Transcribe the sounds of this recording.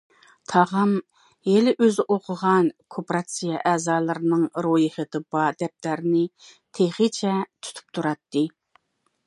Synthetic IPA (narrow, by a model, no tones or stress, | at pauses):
t̪ʰɑʁɑm | jelɪʔøzɪʔoqʰʊʁɑnkʰopɾɑt̪sijɛʔɛːzɑːlˠɨɾɨnɨŋɾojiχəd̪ɨbɑd̪ɛp̚t̪æɾnɪt̪ʰeχɨt͡ʃʰɛt̪ʰy̥t̪ʰy̥p̚t̪ʰuɾɑt̪ːɨ